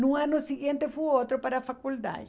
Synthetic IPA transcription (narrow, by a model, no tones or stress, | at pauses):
nũanʊsiɣjẽnt̪efujot̪ɾopaɾafakuld̪a̰d͡ʒ